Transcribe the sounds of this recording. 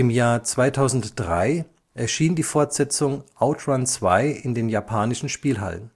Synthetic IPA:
ɪmjaːɐt͡sv̥aɪtʰaʊzn̩td̥ʁa̰ɪ | ʔɛɐʃiːndiːfɔɐtz̥ɛt͡sʊŋʔaʊtʁant͡sv̥aɪʔɪndeːnjapʰaːnɪʃn̩ʃpiːlɦa̰lə̰n

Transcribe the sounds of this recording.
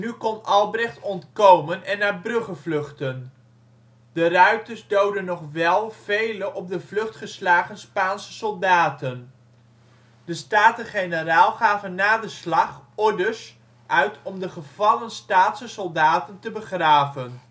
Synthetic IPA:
nykɔnɑlˠbrɛχtɔntkowmənɛnːaːɹbrɵχəvlɵχtən | dərœɥ̚təɹzdowdənːɔχʋɛlˠv̥ejlənʔɔb̚dəvlɵχtχəslaːχənspaːnsəsɔlˠdaːtən | dəstaːtəχejnəraːlˠχaːvənːaːdəslɑχɔɹdəs | ʔœɥtʰɔmdəχəv̥ɑlənstaːtsəsɔlˠdaːtəntəbəχraːvən

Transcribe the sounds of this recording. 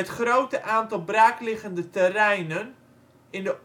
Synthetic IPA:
ətχrowtəʔaːntɔlˠbraːklɪɣəndətərɛjnən | ɪndə

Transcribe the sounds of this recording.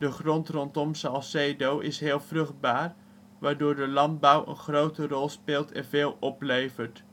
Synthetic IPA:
dəχrɔntrɔntɔmsɑlˠsedowɪsɦɪːlˠvrɵχd̚baːɹ | ʋaːɹdʊːɹdəlɑnd̚bʌwə̰nχrowtərɔlˠspɪːlˠtʰɛ̰nveːlˠɔplejvəɹt

